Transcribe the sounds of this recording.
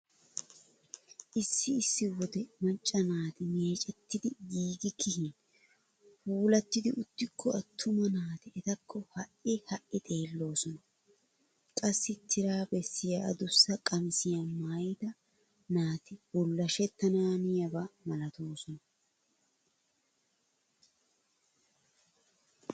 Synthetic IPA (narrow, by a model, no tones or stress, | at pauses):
ʔɪsːɪɪsːɪwɔd̪ɛmɐnt͡ʃʼːɐnaːt̪ɪmeːt͡ʃʼɛt̪ːɪd̪ɪɡiːɡɪkʰɪhɪn | huːlɐt̪ːɪd̪ɪʔʊt̪ːɪkʰːɔɐt̪ʰːʊmɐnaːt̪ɪɛt̪ɐkʰːɔhɐʔɪhɐʔɪt̪ʼe̞ːlːo̞ːsɔnɐ | kʼɐsːɪt̪ʰːɪɾaːbɛsːɪjɐʔɐ̰d̪ʊsːɐkʼɐmɪsɪjɐmaːjt̪ɐ | naːt̪ɪbʊlːɐʃɛt̪ːɐnaːnɪjɐbɐmɐlɐt̪oːsɔnɐ